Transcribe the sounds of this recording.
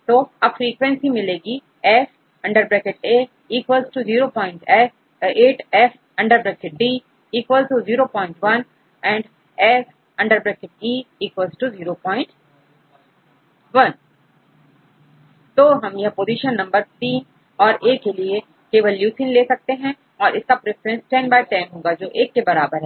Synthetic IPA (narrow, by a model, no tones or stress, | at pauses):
t̪oːɐbfɾiːkʋɛ̃nsimɪleːɡi | ɛf | ɐ̃ɳɖəɾbɾɛːkɪʈeː | iːkʋəlsʈuziːɾopɔ̃ːɪ̃ɳʈɛs | eːʈɛf | ɐ̃ɳɖəɾbɾɛːkɪʈ̚ɖiː | iːkʋəlʈuziːɾopɔ̃ːɪ̃ɳʈʋɐn | ɛ̃ːɳɖ | ɛs | ɐ̃ɳɖəɾbɾeːkɪʈ̚iːiːkwəlsʈuziːɾopɔːɪ̃ɳʈ | ʋɐn | t̪oːɦɐmjɐɦpoːziʃənːɐ̃mbəɾt̪ĩːn | ɔːɾʔeːkːelie | keːʋəljuːsɪ̃nleːsɐk̚t̪eɦɛ̃ | ɔːɾʔɪskapɾefəɾɛ̃nsʈɛ̃nbaːɪʈaːɪmɦõːɡad͡ʒoːʔeːkːebɐɾaːbəɾɦɛː